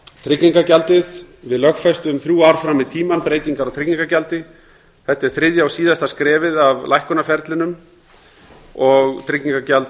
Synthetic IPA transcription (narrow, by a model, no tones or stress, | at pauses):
t̪ʰɾɪcːiŋkacalt̪ɪð | vɪðlœxfɛjst̪ʏmθɾjuːaɾ̥fɾamːɪðt̪ʰiːmanpɾeːjt̪iŋkaɾawt̪ʰɾɪcːiŋkacalt̪ɪ | θɛht̪ːɛɾ̥θɾɪðjawsiːðast̪askɾɛːvɪðavlajhkʏnafɛɾt̪lɪnʏm | ɔɣt̪ʰɾɪcːiŋkacalt̪